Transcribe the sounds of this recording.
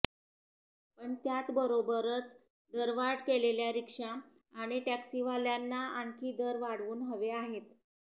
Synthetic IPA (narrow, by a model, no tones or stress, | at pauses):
pəɳt̪jat͡sbəɾobəɾət͡s | d̪əɾʋaɽkeleljaɾikʂa | aɽ̃iʈaksiʋaljanːaaɳkʰiːd̪əɾʋaɽʋuːnɦəʋeaɦet̪